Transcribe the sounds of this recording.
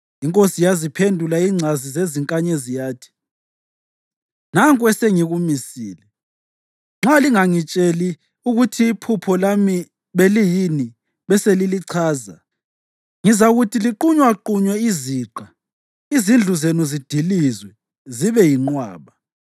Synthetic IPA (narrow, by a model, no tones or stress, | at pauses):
iŋkʼosijazipʰendʱulaiŋ͡ǀʱazizeziŋkʼaɲɛzijaːtʰi̥ | naŋkʼwɛseŋiɣumisḭːlɛ | ŋ͡ǁaliŋaŋit͡ʃʼeli | uɣutʰiːpʰupʰɔlami | βelijini | βɛseliliǀʰaːza̰ | ŋizaɣutʰiliǃuɲwaǃuɲwɛiziːǃa | izind͡ɮʱuzenuzid̥ʱilizwɛ | ziβɛjiŋ͡ǃwaːβa